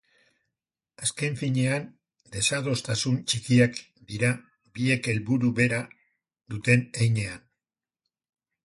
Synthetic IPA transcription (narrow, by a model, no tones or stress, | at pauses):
aske̞ɱfiɲe̞an | d̪e̞sað̞o̞st̪asunt͡ʃikiak | d̪iɾa | βie̞ke̞lβuɾuβe̞ɾa | ðut̪e̞nejɲe̞an